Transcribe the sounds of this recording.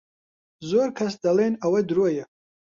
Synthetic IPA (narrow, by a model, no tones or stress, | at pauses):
zorkʰasd̪alenawɛd̪ɾuaja